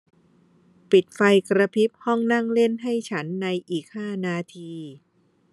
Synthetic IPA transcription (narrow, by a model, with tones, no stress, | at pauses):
pi˨˩t̪̚fa˧jkɾa˧pʰi˦˥p̚hɔ˥˩ŋna˥˩ŋle˥˩nɦa˥˩jt͡ɕʰa˦˥nːa˧jʔiː˨˩k̚haː˥˩naː˧t̪ʰiː˧